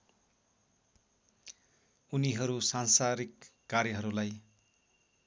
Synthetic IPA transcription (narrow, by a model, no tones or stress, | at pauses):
uniɦʌɾusansaɾikː | aɾjʌɦʌɾulaj